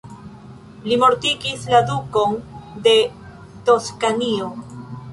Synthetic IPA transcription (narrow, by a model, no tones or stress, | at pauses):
limo̞ɾtiɡislad̪uko̞nde̞ | t̪o̞skanio̞